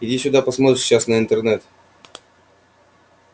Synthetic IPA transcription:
idʲisʲʊd̪apɐsmot̪ɾɪʂɕasnəɪnt̪ɛrnɛt̪

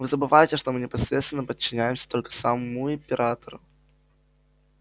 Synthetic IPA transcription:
vɨzəbɨvajɪtʲɪʂt̪omɨnʲɪpɐsɾʲet̪st̪vʲɪnːəpət͡ɕːɪnʲæjɪmsʲə̥t̪o̞lʲkə̥samuɪmpʲɪɾʔat̪əɾʊ

